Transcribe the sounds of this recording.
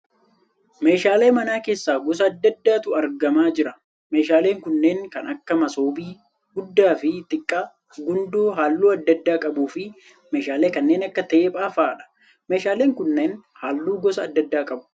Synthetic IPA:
me̞ːʃaːle̞ːmɐnaːke̞ːsːaːɡɔs̬ɐːd̪ːɐd̪ːaːt̪ʊɐɾɡɐmaːd͡ʒɪɾɐ | me̞ːʃaːle̞ːŋkʊnːe̞ːŋkɐnɐkːɐmɐsoːbiː | ɡʊd̪ːaːfɪt̪ʼɪkʼːa | ɡʊnd̪uːɦaːlːuːɐd̪ːɐd̪ːaːkʼɐbuːfɪ | me̞ːʃaːleːkɐnːe̞ːnɐkːɐt̪eːpʼaːfaːᶑɐ̥ | me̞ːʃaːle̞ːŋkʊnːe̞ːnhaːlːuːɡɔsɐːd̪ːɐd̪ːaːkʼɐbʊ̥

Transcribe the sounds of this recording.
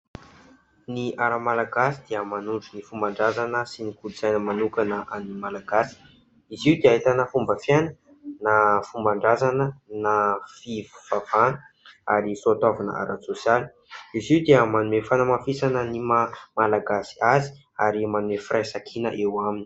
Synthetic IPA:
niʔaɾamalaɡasid̪̥iəmanuɳɖ͡ʐunifumbaɳɖ͡ʐazanəsinikuiz̥ajnəmanukanəʔanimalaɡasi̥ | iziwd̪eaɦit̪anəfumbəfjanə | nafumbaɳɖ͡ʐazanənafivu̥v̥av̥anə | aɾisoat̪avanə̰ʔa̰ɾʔasosjali̥ | iziwd̪eəmanumefanamafisanənimamalaɡasi̥azi̥ | aɾimanumefiɾʔajsakʰinəʔewamini̥

